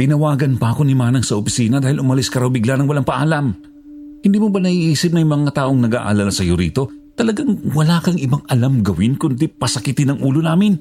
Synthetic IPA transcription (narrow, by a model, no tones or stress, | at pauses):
t̪ɪnɐwaːɡɐnpɐʔɐko̞nimaːnɐŋsɐʔopɪsiːnɐd̪aːhɪlʔʊmɐlɪskɐɾawbɪɡlanɐŋwɐlaŋpɐʔaːlɐm | hɪnd̪iːmobɐnɐʔiʔiːsɪp̚nɐjmɐŋat̪aːʔoŋnɐɡa̰ːʔa̰lalasɐjoɾḭːt̪o̞ | t̪ɐlɐɡaŋwɐlaːkɐŋɪbaŋʔɐlamɡɐwɪnkʊnd̪ipɐsɐkɪt̪ɪnɐŋʔuːlo̞naːmɪn